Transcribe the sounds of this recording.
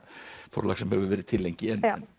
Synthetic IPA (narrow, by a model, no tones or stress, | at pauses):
fɔ̰ɾlɑ̰ːɡsɔmhøːʋəʋæːɾət̪ʰɪlːɛŋkɪɛnː